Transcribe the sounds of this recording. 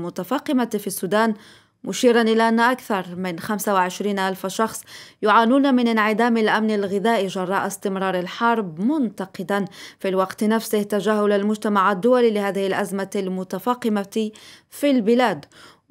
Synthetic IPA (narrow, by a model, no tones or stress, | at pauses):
mʊt̪afɑːqɪmafisːuːd̪aːn | mʊʃiːɾanʔɪlaʔanːʔakθɑɾˤmɪnxamsawɪʕɪʃɾiːnʔalfʃɑxsˤjʊʕaːnuːnamɪnɪnʕɪd̪aːmalʔamnalɣɪðaːʔiʒɑrˤːɑːʔɪst̪ɪmɾˤɑːɾˤɪlħɑɾˤbmʊnt̪aqɪd̪anfilwɑqt̪nafsɪht̪ad͡ʒaːɦʊlalmʊd͡ʒt̪amaʕad̪ːʊwalilɪhaːðɪhɪlʔazmaalmʊt̪afɑːqɪmafilbɪlaːd̪